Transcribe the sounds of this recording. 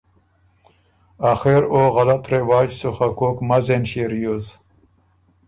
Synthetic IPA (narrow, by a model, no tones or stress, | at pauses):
axeɾoːɣɐlat̪ɾewaːd͡ʑsuxakoːkmɐzenɕeɾjoz